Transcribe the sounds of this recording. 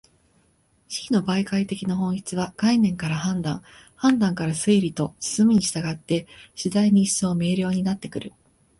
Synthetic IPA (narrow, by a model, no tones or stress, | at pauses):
ɕi̥kʲino̞baikait̪e̞kʲinaɦõ̞ɰ̃çi̥t͡sɨβaɡainẽ̞ŋkaɾahãnd̪ãŋ | hãnd̪ãŋkaɾasɨiɾʲit̪o̞sɨ̥sɨmɯ̟ɲ̟iɕi̥t̪aɡat̪ːe̞ɕid̪aiɲ̟iːso̞ːme̞ːɾʲjo̞ːɲ̟inat̪ːe̞kɯ̟ɾɯ̟